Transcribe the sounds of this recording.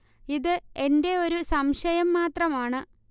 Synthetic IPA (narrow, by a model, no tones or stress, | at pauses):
iðɨe̞nde̞o̞ɾusɐmʂɐjɐmːaːt̪rɐmaːɳɨ